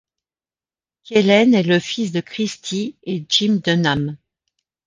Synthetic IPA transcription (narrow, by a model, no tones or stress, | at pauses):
kelɛnɛləfisd̪əkχist̪ʰied͡ʒimd̪ənam